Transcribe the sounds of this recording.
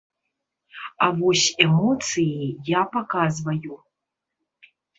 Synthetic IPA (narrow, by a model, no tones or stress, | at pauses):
avɔsʲɛmɔt̪sɨjijapakazvɐju